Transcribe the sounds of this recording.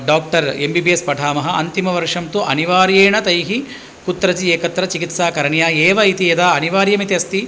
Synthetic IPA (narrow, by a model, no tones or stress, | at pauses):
ɖaːk̚ʈɐɾembibiespɐʈʰaːmɐɦɐɐ̰nt̪imɐʋɐɾʂɐmt̪uʔɐniʋaːɾjeːɳɐt̪ɐjɦi | kut̪ːɾɐt͡ʃieːkɐt̪ɾɐt͡ʃikit̪saːkɐɾɐɳjaːeːʋɐit̪ied̪aːɐniʋaːɾjɐmit̪jɐst̪i